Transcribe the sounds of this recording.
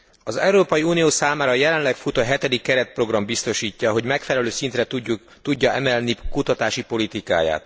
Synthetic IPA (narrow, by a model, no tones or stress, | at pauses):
ɒzɛ̰uɾoːpɒjiuːnioːsaːmaːɾɒjɛlɛnlɛkfut̪oɦɛt̪ɛd̪ikːɛɾɛt̪̚pro̞ɡrɒmbist̪o̞ʃiːcːɒɦo̞ɟmɛkfɛlɛløːsint̪rɛu | t̪uɟːɒʔɛmɛlnikut̪ɒt̪aːʃipo̞lit̪ika̰ːja̰ːt̪